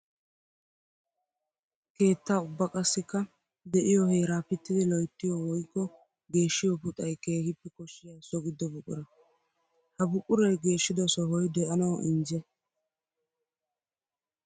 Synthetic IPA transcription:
ke̞ːt̪ːaːʊbːɐkʼɐsːɪkːɐ | d̪ɛʔɪjɔhe̞ːɾaːpɪt̪ːɪd̪ɪlɔjt̪ːɪjɔwɔjkːɔ | ɡe̞ːʃːɪjɔpʊt̪ʼɐjke̞ːhɪpːɛkɔʃːɪjɐsɔɡɪd̪ːɔbʊkʼːʊ̰ɾɐ | hɐbʊkʼːʊɾɐjɡe̞ːʃːɪd̪ɔsɔɦɔjd̪ɛʔɐnɐwʔɪnd͡ʒɛ

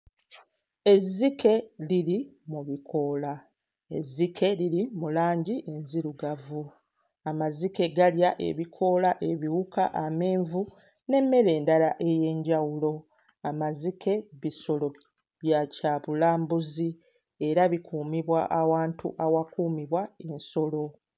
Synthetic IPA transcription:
e̞zːikʰe̞liɾimuβikʰo̞la | e̞̰zːikʰe̞liɾimulaːɲɟiʔe̞nziɾuɡavu | amazike̞ɡaljaʔe̞̰βikʰo̞laʔe̞βiwukaʔame̞ːɱvu | ne̞mːe̞ɾe̞ːndalaʔe̞je̞ːɲɟawulo̞ | amazikʰe̞βiso̞lo̞ | βjacaβulaːmbuzi | e̞ɾaβikʰuːmiβwaʔawaːntʰṵʔawakuːmiβwaenso̞lo̞

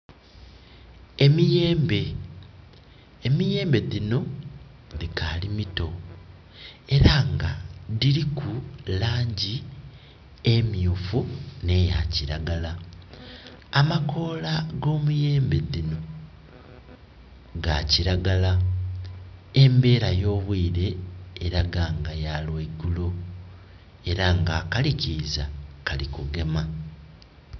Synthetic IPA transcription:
emije̞ːmbe̞ | mije̞ːmbe̞ðino̞ | ðikʰalimito̞ | e̞ɾaŋɡaðiɾikʰulaːɲɟi | emiuːfune̞ja̰ciɾaɡala | amakʰo̞ːlaɡo̞ːmuje̞ːmbe̞ðino̞ | ɡaciɾaɡala | e̞mbe̞ːɾajo̞ːβwiːɾe̞ːɾaɡaŋɡajalweɡulo | e̞ɾaŋɡakalicizakalikuɡe̞ma

